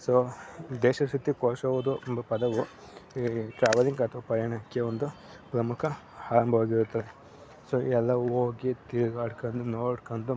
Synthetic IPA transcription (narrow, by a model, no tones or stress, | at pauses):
soːd̪ɛːʃɐsit̪ikoːʃɐːʋud̪upɐd̪ɐʋu | ʈɾaːʋɐliŋɡɐt̪ʰɐʋɐpɐɾjɐɳɐkːeond̪u | pɾɐmukʰɐ | haːɐmbʱɐɦoːɡiɾut̪ːɐe | soɛlːɐoːɡit̪iɾɡaːɽkɐnd̪unoːɖkɐnd̪u